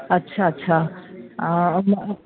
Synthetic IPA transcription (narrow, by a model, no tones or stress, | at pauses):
ətːʃʰaətːɕʰa | m